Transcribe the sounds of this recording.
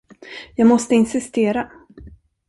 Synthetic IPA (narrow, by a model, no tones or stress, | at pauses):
jɑːɡmɔst̪əɪnsɪst̪eːɾa